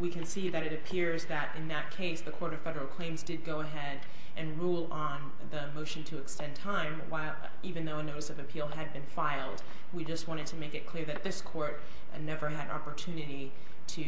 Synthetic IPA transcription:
wikʰɨ̃nsiðɨɾɨɾɨpʰɪɹzðɨɾʔɨ̃nðɨt̚kʰeɪsðɨkʰɔɹɾʌv̥fɛɾə˞l̩ˠkʰl̥ẽɪ̃mzdɨd̚ɡoʊəɦɛɾ | ʔɨ̃nɹulˠə̃n | ðɨmoʊʃɨ̃n̩tʰɨːkstɛ̃ntʰãɪ̃mwa̰ɪlˠ | ivɨ̃nðoʊənoʊɾɨsʌvɨpʰilˠɨd̚bɨ̃nfaɪlˠd | wid͡ʒʌst̚wɑ̃ɾ̃ɨd̚tʰɨmeɪkɨt̚kʰl̥ɪɹðɨt̪̚ðɪskʰɔɹt̚ | nɛvə˞ɨɾɑ̰pə˞tʰʉnɨɾi | ɾɨ

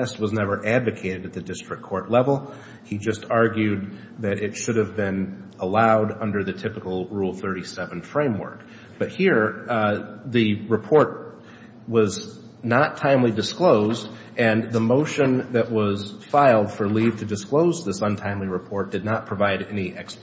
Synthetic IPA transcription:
ɛst̚wʌznɛvə˞ʔædvɨkʰeɪɾɨɾɨt̪̚ðɨdɪstɹ̥ɨkʰɔɹʔˡlɛvl̩ˠ | id͡ʒʌstʰɑɹɡjʉd̪̚ | ðɨɾɪtʃʊɾɨvbɪ̃nəlaʊɾʌ̃ndə˞ðɨtʰɪpɨkl̩ˠɹulˠθɜ˞ɾisɛvɨ̃nfɹẽɪ̃mwɜ̰˞k̚ | b̥ʌt̚hiɹ | ðɨɹɨpʰɔɹt̚ | wʌz | nətʰãɪ̃mlidɨskloʊzd | ɨ̃nðəmoʊʃɨ̃nðɨʔ̚wʌz̥faɪlˠd̥fə˞liv̥tʰɨdɨskloʊzðɪsʌ̃ntʰãɪ̃mliɹɨpʰɔɹt̚d̥ɨdⁿnət̚pʰɹ̥ɨvaɪɾɛniʔɛks

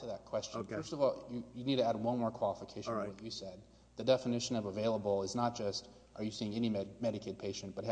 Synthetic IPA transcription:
tʰɨðɨt̚kʰw̥ɛst͡ʃɜ˞stʌvɔlˠjɨjɨnid̚tʰɨæd̚wʌ̃nmɔɹkʰw̥ɑlˠəfɨkʰeɪʃnwʌt͡ʃɨsɛd̪̚ | ðɨdɛfɨnɪʃɨ̃nʌvəveɪlˠəbl̩ˠɪznət̚d̥ʒ̥ʌst | ʔə˞jɨsiɪ̃ŋɛnimɛɾɨkʰeɪd̚pʰeɪʃɨ̃n̩b̥ʌt̚

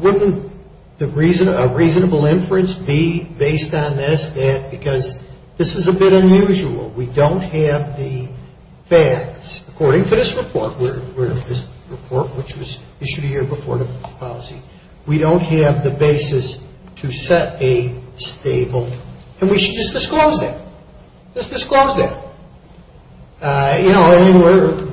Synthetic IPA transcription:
wʊdⁿn̩ | ðɨɹiznəɹiznəbl̩ˠɪ̃ɱfəɨ̃nsb̥ibeɪstn̩ðɪsðɨt̚b̥ɨkʰʌz | ðɪsɨzɨbɪɾɨ̃njʉʒəl̩ˠwidõʊ̃nt̚hɨvðɨ | fæk̚tsəkʰɔɹɾɪ̃ŋtʰɨðɪsɹɨpʰɔɹt̚wɪ˞wɪ˞ʌðɪsɹɨpʰɔɹt̚wɨt͡ʃwʌz | ɪʃʉɾɨjɪɹbəfɔ̰ɹðɨpʰɑlˠzi | wiɾõʊ̃nt̚ɦɨvðɨbeɪsɨs | tʰɨsɛɾɨsteɪbl̩ˠɨ̃nwiʃɨd̚d͡ʒʌsd̥ɨskloʊzðɨ̰t̚ | ʒ̥ʌsd̥ɨskloʊzðɨ̰t̚ | jɨnoʊɪ̃ŋwɪ˞

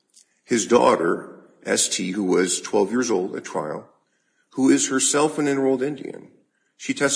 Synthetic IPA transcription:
hɨzdɔ̰ɾə˞ | ʔɛstʰiɦuwʌz̥tʰw̥ɛlˠvjɪɹzoʊlˠdɨ̰tʰɹ̥a̰ɪlˠ | huɪz̥hə˞sɛlˠfɨ̃nɪ̃nə˞oʊlˠdɪ̃ndḭɨ̰̃n | ʃitʰɛs

